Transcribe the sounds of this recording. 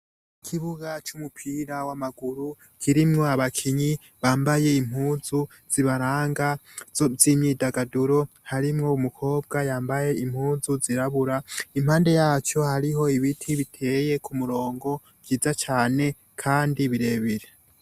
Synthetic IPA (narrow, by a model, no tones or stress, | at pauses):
ikʰiβuɡat͡ʃumupʰiɾawamaɡuɾu | kʰiɾimŋo̞aβakʰiɲi | βaːmbaje̞im̥huːzu | z̥iβaɾaːŋɡazimɲiːdaɡaduɾo̞ | haɾimŋo̞umukʰo̞ːb̚ɡajaːmbaje̞im̥huːzuziɾaβuɾaimhaːnde̞jaːt͡ʃo̞haɾiɦo̞iβitʰiβitʰe̞je̞kʰumuɾo̞ːŋɡo̞ | ɡiːzat͡ʃaːne̞ | kʰaːndiβiɾe̞βiɾe